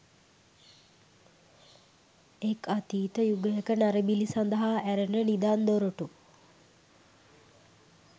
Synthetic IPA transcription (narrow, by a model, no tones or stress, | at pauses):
ekʰat̪iːt̪əjuɡəjəkənaɾəbilisand̪əɦaæɾənənid̪aːnd̪oɾoʈu